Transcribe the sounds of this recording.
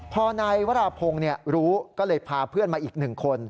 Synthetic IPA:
pʰɔː˧naː˧jwa˦˥ɾaː˧pʰo˧ŋni˥˩əɾuː˦˥kɔː˥˩lɤː˧jpʰaː˧pʰɯ˥˩ənmaː˧ʔiː˨˩k̚nɯ˨˩ŋkʰo˧n

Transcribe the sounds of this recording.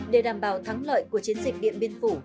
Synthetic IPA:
ɗe˧˩ɗaː˨˩mɓaː˨˩wt̪ʰa˨˦ŋlə̰ː˧˨jku˧˩ət͡ɕi˨˦ənzï˨˩k̟̚ɗḭ˧˨ənɓi˧ənfu˧˩

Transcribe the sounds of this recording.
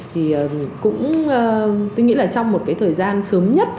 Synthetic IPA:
t̪ʰi˨˩əː˨˩kʊ̰˧˥ŋ͡məː˧tt̪o˧jŋḭ˧˥laː˨˩t͡ɕɔ˧wŋ͡mmo˨˩t̚kaː˨˦t̪ʰəː˨˩jzaː˧nsəː˨˦mɲə˦˥t̚

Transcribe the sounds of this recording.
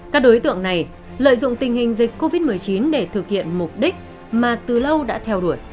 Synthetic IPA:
kaː˦˥k̚ɗo˨˦jt̪ɨ̰˧˨əŋna˨˩j | lə̰ː˧˨jzʊ̰˧˨ŋ͡mt̪ï˨˩ŋ̟hï˨˩ŋ̟zï˨˩k̟ko˧vi˦˥t̚mɨ˨˩əjt͡ɕi˨˦nɗe˧˩t̪ʰɨ˨˩k̚hḭ˧˨ənmu˨˩p̚ɗï˦˥k̟̚ | maː˨˩t̪ɨ˨˩lə˧wɗa̰ː˧˥t̪ʰɛ˧wɗu˧˩əj

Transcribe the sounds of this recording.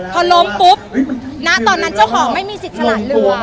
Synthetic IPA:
p̪ʰɔ˧lo˦˥mpu˦˥p̚na˦˥t̪ɔː˨˩nːa˦˥˩nt͡ɕa˥˩wkʰɔː˩˦ŋma˥˩jmiː˧si˨˩t̪̚sa˧la˧˨˩lɯ˧˩

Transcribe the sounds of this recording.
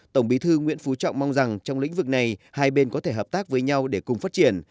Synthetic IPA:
t̪ə˧˩wŋ͡mɓi˨˦t̪ʰɨ˧ŋwḭ˧˥nfu˨˦t͡ɕɔ̰˧˨wŋ͡mma˧wŋ͡mza˨˩ŋt͡ɕɔ˧wŋ͡mlḭ̈˧˥ŋ̟vɨ˨˩k̚na˨˩jhaː˧jɓe˧nkɔ˨˦t̪ʰe˧˩ɦəː˨˩p̚t̪aː˦˥k̚vəː˨˦jɲa˧wɗe˧˩kʊ˨˩ŋ͡mfaː˦˥t̚t͡ɕi˧˩ən

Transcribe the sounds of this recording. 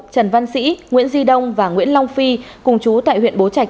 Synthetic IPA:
t͡ɕə˨˩nva˧nsḭ˧˥ŋwḭ˧˥ənzi˧ɗə˧wŋ͡mvaː˨˩ŋwḭ˧˥ənla˧wŋ͡mfi˧kʊ˨˩ŋ͡mt͡ɕu˨˦t̪a̰ː˧˨jɦwḭ˧˨ənɓo˨˦t͡ɕa˨˩jk̚

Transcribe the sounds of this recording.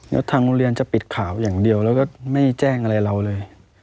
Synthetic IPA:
lɛ̰˦˥t̪ʰaː˧ŋu˧ɾi˧ənt͡ɕa˨˩pi˨˩t̪̚kʰaː˩˦wjaː˨˩ŋdi˧əwlɛː˦˥wkɔː˥˩ma˥˩jt͡ɕɛː˥˩ŋʔa˧ɾa˧jɾa˧wlɤː˧j

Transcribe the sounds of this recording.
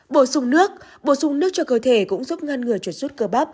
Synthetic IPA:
ɓo˧˩sʊ˨˧˩ŋ͡mnɨ˦˥ək̚ | ɓo˧˩sʊ˧˩ŋ͡mnɨ˦˥ək̚t͡ɕɔ˧kəː˧˩t̪ʰe˧˩kʊ̰˧˥ŋ͡mzu˦˥p̚ŋa˧nŋɨ˨˩əjt͡ɕu˨˧˩z̥u˦˥t̚kəː˧ɓa˦˥p̚

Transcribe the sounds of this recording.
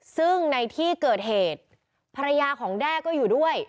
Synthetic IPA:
sɯ˥˩ŋna˧jt̪ʰiː˥˩kɤː˨˩t̪̚heː˨˩t̪̚ | pʰa˧ɾa˧jaː˧kʰɔː˩˦ŋdɛː˥˩kɔː˥˩juː˨˩du˥˩əj

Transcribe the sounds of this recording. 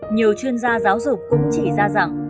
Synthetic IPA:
ɲi˨˩əwt͡ɕwi˧ənzaː˧zaː˨˦wzʊ˨˩k͡p̚kʊ̰˧˥ŋ͡mt͡ɕḭ˧˩zaː˧za˨˧˩ŋ

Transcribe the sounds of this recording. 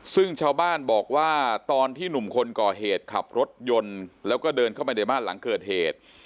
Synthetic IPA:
sɯ˥˩ŋt͡ɕʰaː˥˩wbaː˥˩nbɔː˨˩k̚waː˥˩t̪ɔː˧nt̪ʰiː˥˩nu˨˩mkʰo˧nkɔː˨˩ɦeː˨˩t̪̚kʰa˨˩p̚ɾo˦˥t̪̚jo˧nlɛː˦˥wkɔː˥˩dɤː˧nkʰa˥˩wp̬a˧na˧˥˩jmaː˥˩la̰˩˦ŋkɤː˨˩t̪̚heː˨˩t̪̚

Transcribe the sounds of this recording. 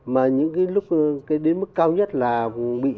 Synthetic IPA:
maː˨˩ɲɨ̰˧˥ŋkaː˨˦jlʊ˦˥k͡p̚kaː˨˦jɗe˨˦nmɨ˦˥kːaː˧wɲə˦˥t̚laː˨˩ɓḭ˧˨

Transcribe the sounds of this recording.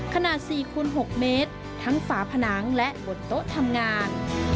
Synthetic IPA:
kʰa˧naː˨˩t̪̚siː˨˩kʰuː˧nɦo˨˩k̚meː˦˥t̪̚ʰːa˦˥ŋfaː˩˦pʰa˧na˩˦˥ŋlɛ˦˥ʔbo˨˩t̪t̪o˦˥ʔt̪ʰa˧mŋaː˧n

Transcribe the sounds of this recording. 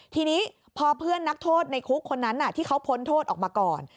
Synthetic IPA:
t̪ʰiː˧niː˦˥ | pʰɔː˧pʰɯ˥˩ənːa˦˥k̚t̪ʰoː˥˩t̪̚na˧jkʰu˦˥kʰːo˧nːa˦˥nʔa˨˩t̪ʰiː˥˩kʰa˦˥wpʰo˧˥nt̪ʰoː˥˩t̪ʔɔː˨˩k̚maː˧kɔː˨˩n

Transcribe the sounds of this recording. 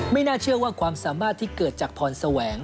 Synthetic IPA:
ma˥˩jnaː˥˩t͡ɕʰɯ˥˩ɐwaː˥˩kʰwaː˧msaː˩˦maː˥˩t̪ʰːiː˥˩kɤː˨˩t̪̚t͡ɕaː˨˩k̚pʰɔː˧nsa˧wɛː˩˦ŋ

